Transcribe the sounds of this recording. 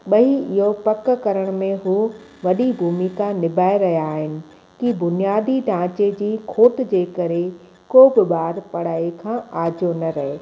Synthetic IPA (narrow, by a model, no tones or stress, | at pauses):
ɓɐiɪɦopɐkkɐɾəɽ̃mẽɦuː | ʋɐɗibʱuːmikanɪbʱaːeɾɐɦjaːɦɪnɪ̆ | kibʊnijaːd̪ʱiɖʱãːt͡ɕed͡ʑiːkʰoːt̪d͡ʑeːkɐɾe | koːbɪɓaːɾpɐɽ̤aːekʰãːaːd͡ʑonɐɾɐɦeː